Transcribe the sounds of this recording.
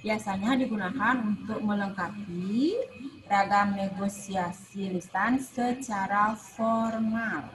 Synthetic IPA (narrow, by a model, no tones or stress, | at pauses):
biasaɲadiɡunakanunt̪ʊk̚mələŋkapi | raɡamneɡosiasilist̪ansət͡ʃaɾafɔrmal